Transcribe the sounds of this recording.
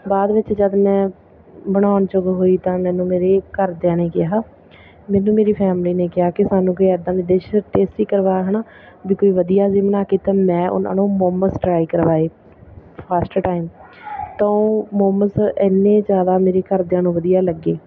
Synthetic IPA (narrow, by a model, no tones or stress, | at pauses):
baːd̪ʋɪt͡ʃd͡ʒəd̪mɛ̃ː | bəɽ̃aːʊnt͡ʃʊɡɦoːiːt̪ãːmɛ̃ːnũːmeːɾeːkəɾd̪jãːneːkɪaː | mɛ̃ːnũːmeːɾiːpʰɛːmliːneːkɪaːkɪsaːnũːkoːiɛːd̪ãːʋɪd̪eːʃʈeːsʈiːkəɾʋaːɦnaː | biːkoːiːʋəd̪ijaːzɪmnaːkiːt̪aːmɛ̃ːʔʊ̰nã̰ːnũːmoːməsʈɾaːiːkəɾʋaːeː | pʰaːsʈʈaːɪm | t̪ãːõːmoːməsɪnːẽːzjaːd̪aːmeːɾeːkəɾd̪jãːnũːʋəd̪ijaːləɡeː